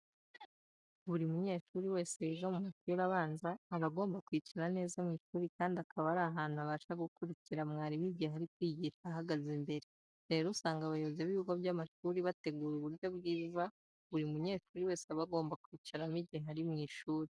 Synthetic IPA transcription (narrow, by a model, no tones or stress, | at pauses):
βuɾimuɲe̞ːʃuːɾiwe̞ːseeʒamumaʃuːɾaβaːnzaːβaɡo̞ːmbakwiːciɾane̞ːzamŋiːʃuːɾikaːndiakʰaβaɾaɦaːnhuaβaːʃaɡukuɾiciɾamŋaːɾiβiɟeɦaɾikwiːɟiːʃahaɡazembe̞ɾe | ɾe̞ːɾusaːŋɡaβajoβozeβiuɡoβjamaʃuːɾiβate̞ɡuɾuβuɾjo̞bɡiːza | βuɾiumuɲe̞ːʃuːɾiwe̞ːseaβaɡo̞ːmbakwiːciɾamiɟiɦaɾimŋiːʃuːɾi